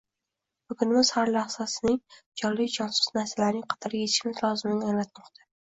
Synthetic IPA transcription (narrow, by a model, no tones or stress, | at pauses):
bʊɡʊnɪmɪz̥haɾlaχsasɪnɪŋd͡ʒɒɾlɪd͡ʒɒnsʊ̥snaɾsalaɾnɪŋqʰɑ̥t̪ʰɒɾɪɡʲet̪ʰɪ̥ʃmɪzlˠɒzɪmɪnaŋlat̪̚mɒqt̪ʰḁ